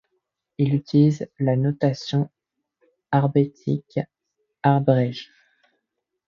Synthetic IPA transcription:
ilyt̪ilizlanɔt̪asjɔ̃ | aʁbet̪ʰik | aʁbʁɛʒ

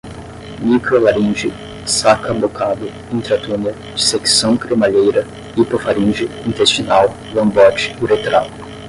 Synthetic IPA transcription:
nikolaɾĩnd͡ʒɪ | sakʰɐmokʰad̪ʊ | ĩnt̪ɾat̪uniɐ | d͡ʒiseksɐ̃w̃kɾemaʎejɾɐ | ipofaɾĩnd͡ʒɪĩnt̪est͡ʃinaw | lɐ̃mbɔt͡ʃɪ̥uɾet̪ɾa̰w

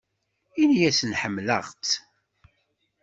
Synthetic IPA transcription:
injæsənħəmːlə̰ʁt͡s

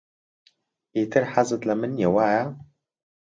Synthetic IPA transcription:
iːt̪ʰɨɾħazɨt̪lɐmɨnjewaːja

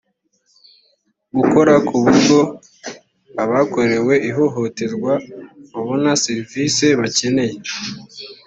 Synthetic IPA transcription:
ɡuko̞ɾakuβuɾɡo̞ | aβako̞ɾe̞we̞iɦo̞ɦo̞te̞ɾɡwaβaβo̞naseɾiviːse̞βace̞ne̞je̞

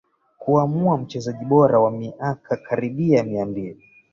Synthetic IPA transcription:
kuamuam̩t͡ʃɛzaʄiɓɔɾawamiʔakʰakʰaɾiɓiamiambii

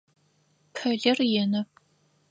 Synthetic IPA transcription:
pʰɐɮɐrjɛnɐ

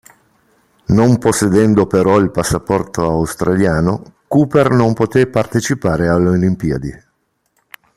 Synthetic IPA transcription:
nomposːed̪ɛnd̪opeɾɔilpasːapɔrt̪oawst̪ɾʔaljaːnokuːpernompot̪epart̪et͡ʃipaːɾealːolimpiad̪i

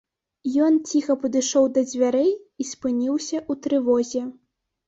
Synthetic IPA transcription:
jɔnt͡sʲixɐpɐd̪ɨʂɔwd̪ɐd͡zʲvʲaɾɛjispɨnʲiwsʲɐʔut̪ɾɨvɔzʲɛ

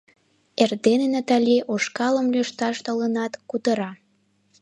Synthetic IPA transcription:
erd̪enenat̪ɑlʲiʔoʃkɑləmlʲyʃt̪ɑʃt̪ələnɑt̪kut̪əɾɑ

